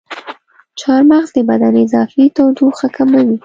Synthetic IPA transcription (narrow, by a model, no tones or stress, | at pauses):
t͡ʃɑɾmaɣzd̪əbad̪aneɪzɑfit̪awd̪uxakamawi